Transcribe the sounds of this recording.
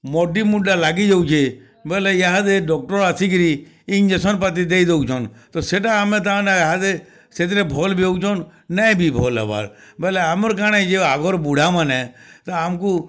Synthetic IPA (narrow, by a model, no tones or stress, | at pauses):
mɔɖimuɖalaːɡid͡ʒəut͡ʃʰe | bɛlɛjaɦad̪eɖɔk̚ʈɔɾasiɡɾi | ɪnd͡ʒəsɔnpət̪̬id̪eid̪eut͡ʃʰɔnt̪ɔseʈaːmẽt̪̬ãneɦad̪e | set̪̬iɾebʱɔːlbeut͡ʃʰɔnnɛjbʱibʱɔːla̰ba̰ɾbɛlɛamɾkaned͡ʒeaːɡɔɾbuɽ̤ʱamanɛt̪ɔaːmku